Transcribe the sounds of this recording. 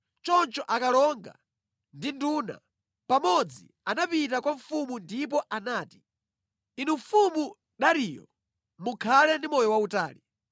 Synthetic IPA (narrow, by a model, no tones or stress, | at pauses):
t͡ʃɔnt͡ʃɔʔakalɔŋɡa̰ | ndinduna̰ | pamɔd͡zḭ | anapit̬akwaɱfumundip̬ɔʔanaːti̥ | inuɱfumu | ɗaɾiːjɔ̰ | mukʰalɛndimɔjɔwauta̰ːli